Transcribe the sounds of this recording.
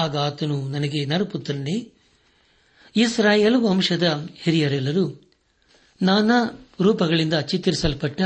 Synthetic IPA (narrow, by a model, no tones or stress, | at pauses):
aːɡaːt̪ɐnunɐnɐɡenɐɾɐput̪ːɐɾɐne | isɾaːjeːlʋɐmʂɐd̪ɐheɾijɐɾɛlːɐɾu | naːnɐɾuːpɐɡɐɭind̪ɐt͡ʃit̪ːiɾisɐlpɐʈːɐ